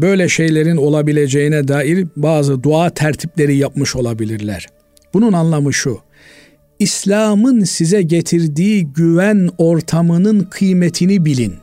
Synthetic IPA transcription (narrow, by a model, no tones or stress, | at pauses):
bø̞jlʲɛʃe̞jlʲeɾino̞lˠabilʲed͡ʒejinɛd̪aːiɾbaːzɯd̪uaːt̪ʰæɾt̪ʰiplʲeɾijap̚mɯʃo̞lˠabilʲiɾlʲæ̰ɾ̥ | b̥ununanlˠamɯʃu | islʲaːmɯnsizɛɟet̪ʰiɾd̪iːɟyvæno̞ɾt̪ʰamɯnɯnkʰɯjmet̪ʰinibilʲin